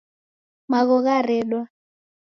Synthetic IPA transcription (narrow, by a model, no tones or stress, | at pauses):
maɣɔɣaɾɛɗwa